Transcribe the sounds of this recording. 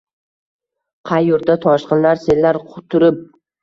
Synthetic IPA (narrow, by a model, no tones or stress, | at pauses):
qʰɑjːʊɾd̪ʰat̪ʰɒʃqɨnlaɾsellːaɾqʰʊt̪ʰʊɾɪp̚